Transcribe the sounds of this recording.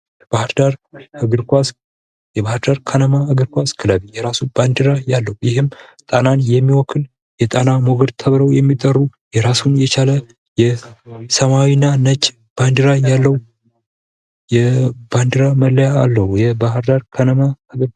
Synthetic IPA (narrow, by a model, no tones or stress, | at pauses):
bahɾd̪aɾɨɡɨɾkʷas | jɛβahɨɾd̪aɾkʰənəmaɨɡɨɾkʷaskʰɨləβijɛɾasub̥and̪ɨɾajalːəujɪhɨmt̪ʼananjɛmːiwɔkʰːɨl | jɛt̪ʼanamoɡəd̪t̪ʰəβɾəwjɛmːit̪ʼərːujɛɾasunjɛt͡ʃalə | jɛsəmawinːanət͡ʃʼ | b̥and̪ɨɾajalːəw | jɛb̥and̪ɨɾaməlːəjaːlːəhujɛbaɦɨɾd̪aɾkʰənəmaɨɡɨɾ